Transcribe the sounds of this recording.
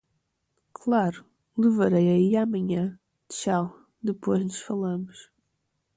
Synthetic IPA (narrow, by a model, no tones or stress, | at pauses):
kʰlˠaɾu | lˠɨvɐɾɐjɐiamɐɲɐ̃ | d̪ʃaw | d̪ɨpʰojʒnuʃfɐlˠɐmuʃ